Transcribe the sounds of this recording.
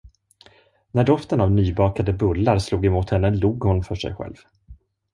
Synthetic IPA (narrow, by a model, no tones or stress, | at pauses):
næɖɔft̪ənavnyːbɑːkad̪əbɵlːaɾsluːɡɛmuːt̪hɛnːəluːɡhʊnfœʂɛ̰jɧɛ̰lv